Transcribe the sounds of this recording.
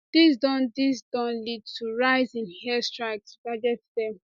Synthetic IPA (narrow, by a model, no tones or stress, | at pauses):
d̥isdɔ̃ndisdɔ̃nlid̚tʰuɹaɪzĩnhɛstɹaɪk̚sb̥ad͡ʒɛtdɛ